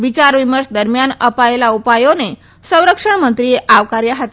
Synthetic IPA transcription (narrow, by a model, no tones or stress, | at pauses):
ʋit͡ɕaɾʋiməɾsd̪əɾmjanəpaelaupajone | sə̃w̃ɾəkʂəɳmənt̪ɾieʔaʋkaɾjəɦat̪